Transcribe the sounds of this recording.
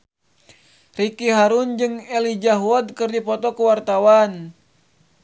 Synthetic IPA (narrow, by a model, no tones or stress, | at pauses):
rikiɦaɾund͡ʒɨŋɛlid͡ʒaɦuɔd̪̚kɨrdipɔt̪ɔkuwart̪awan